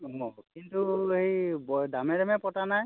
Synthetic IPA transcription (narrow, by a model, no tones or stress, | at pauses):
ɔkintuɦejbɔdamɛdɛmɛpɔtanaj